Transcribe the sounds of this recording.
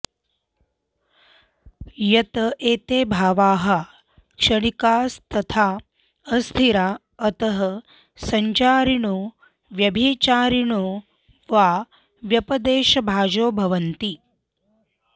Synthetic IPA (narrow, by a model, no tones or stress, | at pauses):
jɐt̪ɐʔeːt̪eːbʱaːʋaːɦɐ | kʂɐɳikaːst̪ɐt̪ʰaː | ɐst̪ʰiɾaː | ɐt̪ɐɦɐ | sɐɲt͡ʃaːɾiɳu | ʋjɐbʱit͡ʃaːɾiɳu | ʋaː | ʋjɐpɐd̪eːʃɐbʱaːd͡ʒoːbʱɐʋɐnt̪i